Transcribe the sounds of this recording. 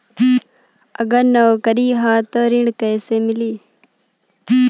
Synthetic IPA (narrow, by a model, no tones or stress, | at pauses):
əɡəɾnɐokəɾiːɦãːt̪oːɾɪ̃ɳɖkəjseːmɪliː